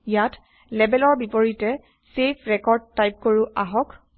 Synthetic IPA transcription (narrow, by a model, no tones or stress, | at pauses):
jat | lɛbɛlɔɹbipoɹitɛ | sepʰɹɛkɔɹd̚tːajp̚koɹuʔaɦɔk